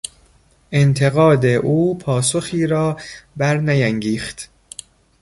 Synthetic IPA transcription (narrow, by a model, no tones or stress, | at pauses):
ʔent̪ʰe̞ɣɒːd̪eʔuːpʰɒːsoxiːɾɒːbæɾnæjæŋɡiːxt̪